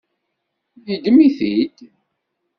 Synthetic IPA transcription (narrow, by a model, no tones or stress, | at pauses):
ðid̪əmiθid̪